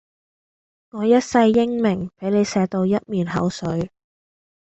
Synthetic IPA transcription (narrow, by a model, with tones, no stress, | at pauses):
ŋɔː˨˧jɐ˥t̚sɐ˧jːɪ˥ŋmɪ˨˩ŋpe˨˥jne˨˧jsɛː˨˧t̪o˧wjɐ˥t̚miː˨nɦɐ̰˨˥wsɵ˨˧ɥ